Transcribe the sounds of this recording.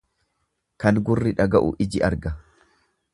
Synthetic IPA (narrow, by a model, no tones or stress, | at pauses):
kɐnɡʊrːɪᶑɐɡɐʔʊ̰ʔɪd͡ʒɪɐɾɡɐ